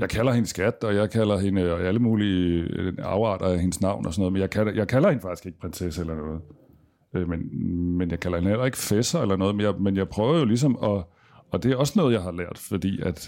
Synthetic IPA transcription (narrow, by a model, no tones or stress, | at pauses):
jɑ̈ɪkʰælɐhe̝nsɡ̥æd̥ɒ̽jɑ̈ɪkʰælɐɦe̝nəæləmuːli | ɑ̰̈ʊɑ̰̈ːd̥ɐæhe̝nəsnɑ̈ʊ̰nʔɒsɒnɔ̽ðˠmenjɑ̈ɪkʰælɐjɑ̈ɪkʰælɐhe̝nəfɑ̈ɡ̥i̥sɡ̥e̝ɡ̥pʰʁenseselɐnɔːð̞̩ˠ | ømenmenjɑ̈ɪkʰælɐhe̝nelɐe̝ɡ̥ə̥fesɐelɐnɔ̽ːð̞̩ˠenjɑ̈ɪmenjɑ̈ɪpʰʁœːʊɐjo̝lis̬ɒ̽mɒ̽ | ɒ̽d̥e̝æɒ̽sənɔ̽ːð̞̩ˠjɑ̈ɪɦɑ̈læɐ̰d̥fɒd̥ḭːæd̥